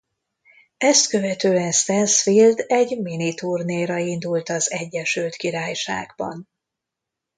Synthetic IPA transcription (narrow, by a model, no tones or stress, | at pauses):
ɛst̪kø̞vɛt̪øːɛnst̪ɛnsfild̪ɛɟminit̪uːrneːɾɒind̪ult̪ɒzɛɟːɛʃylt̪kiɾaːjʃa̰ːɡbɒ̰n